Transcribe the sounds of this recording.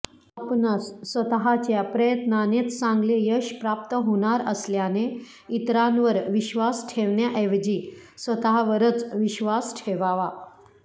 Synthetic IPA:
apnasːʋət̪ɦat͡ɕjapɾəjət̪nanet͡s̪sãŋɡlejəɕpɾap̚t̪əɦoɽ̃aɾəsljane | it̪ɾanʋəɾʋiɕʋasʈʰeʋɳjaʔeʋd͡ʑi | sʋət̪ɦaʋəɾət͡sʋiɕʋasʈʰeʋaʋa

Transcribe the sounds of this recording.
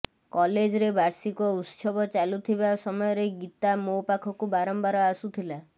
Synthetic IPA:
kɔled͡ʒɔɾebaɾsikɔut̪sɔbɔt͡ʃalut̪ʰibasɔmɔjɔɾeɡit̪amowpakʰɔkubaɾɔmbaɾɔasut̪ʰila

